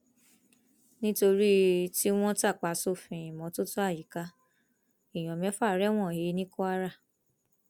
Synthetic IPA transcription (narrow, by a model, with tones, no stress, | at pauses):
nĩ˦to˧ɾi˦ti˦w̃ɔ̃˦ta˦˨k͡pa˨so˦˨fĩ˨ĩ˨mɔ̃˨˦to˦to˦a˦˨ji˨ka˨˦ | i˦˨j̃ɔ̃˨mɛ̃˨˦fa˦˨˦ɾɛ˦w̃ɔ̃˦˨he˨˦nĩ˦ko˦a˧ɾa˦˨